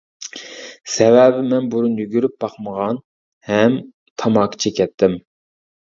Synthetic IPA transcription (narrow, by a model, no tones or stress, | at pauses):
sɛvɛbɪmɛnbuɾunjyɡʲyɾyp̚b̥ɑqməʁɑn | hɛm | t̪ʰɑmɑːkʰt͡ʃʰɛkʲɛt̪ʰːɪm